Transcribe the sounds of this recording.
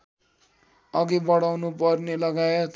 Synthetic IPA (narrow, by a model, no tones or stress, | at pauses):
ʌɡibʌɽawnupʌrnelʌɡaet̪